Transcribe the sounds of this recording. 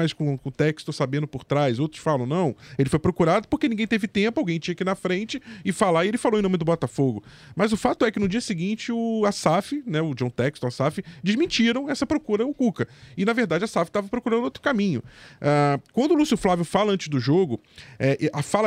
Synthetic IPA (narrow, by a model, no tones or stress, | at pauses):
ajskõkõt̪ɛkst̪osabẽnd̪ʊpʊɾt̪ɾajzowt̪ɾʊ̥sfalɐ̃w̃nɐ̃w̃elɪfojpɾokuɾad̪ʊpoχkenĩɡẽj̃t̪evɪt̪ẽpʊawɡẽj̃t͡ʃĩɲɐakinɐfɾẽt͡ʃɪɪfalaielɪfalowẽñmɪd̪ʊbɔt̪afoɡʊ | mɐzʊfat̪ʊɛkɪnʊd͡ʒiɐsɪɡĩnt͡ʃɪʊasafɪnɛʊd͡ʒõw̃t̪ɛkst̪ʊasafɪd͡ʒɪzmĩt͡ʃiɾɐ̃w̃ɛsɐpɾokuɾɐʊkukɐɪnɐveɾd̪ad͡ʒɪasafɪ̥t̪avɐpɾokuɾɐ̃nd̪ʊowt̪ɾʊ̥kamĩɲʊakwɐ̃nd̪ʊlusiʊflavjʊfalɐɐ̃nt͡ʃɪzd̪ʊʒoɡʊ | ɛʔʔafal